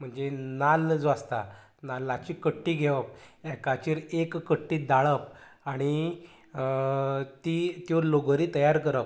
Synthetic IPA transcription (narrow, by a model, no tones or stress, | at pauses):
m̤əɳd͡zenald͡zoast̪a | nalːat͡ɕiːkəʈːiːɡʱeʋəp̚ɛkat͡ɕiːɾekːəʈːiːd̪aɭəp̚aɽ̃i | t̪it̪joloɡəɾiːt̪əjaɾkəɾəp̚